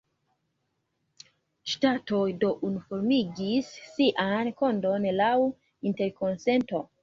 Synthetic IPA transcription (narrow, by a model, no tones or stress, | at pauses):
ʃtatojdo̞ʔunufoɾmiɡisːiʔankondo̞nlaw | inte̞ɾko̞nse̞nto̞